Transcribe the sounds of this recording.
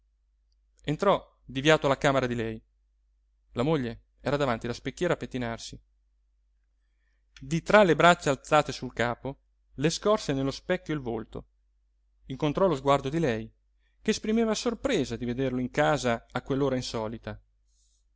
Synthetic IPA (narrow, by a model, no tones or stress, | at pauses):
ent̪ɾɔ | d̪ivjaːt̪oalːakaːmeɾad̪ilɛj | lamoʎːe | ɛːɾad̪avant̪ilaspekːjɛːɾaːpːet̪ːinarsi | d̪it̪ɾalːebɾat͡ʃːaalt̪saːt̪esulkaːpo | leskɔrsenelːospɛkːjoilvolt̪o | iŋkont̪ɾɔlozɡward̪od̪ilɛj | keːspɾimeːvasorpɾeːzad̪ived̪erloiŋkaːzaːkːwelːoːɾainsɔːlit̪a